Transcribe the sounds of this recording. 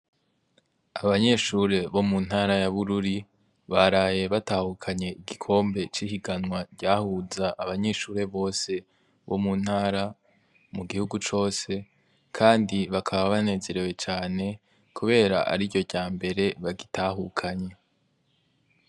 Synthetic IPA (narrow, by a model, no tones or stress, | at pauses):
aβaɲe̞ʃuɾe̞βo̞mun̥haːɾajaβuɾuɾi | βaɾaːje̞βataːhukʰaɲe̞iɡikʰo̞ːmbe̞t͡ʃihiɡanŋwaɟaːhuzaʔːβaɲe̞ʃuːɾe̞βo̞ːse̞ | βo̞̰mun̥haːɾa | muɡihuɡut͡ʃo̞ːse̞ | kʰaːndiβakʰaβaβane̞ːze̞ɾe̞we̞t͡ʃaːne̞ | kuβe̞ːɾa̰ʔa̰ɾiɟo̞ɟaːmbe̞ɾe̞βaɡitaːɦukʰaɲe̞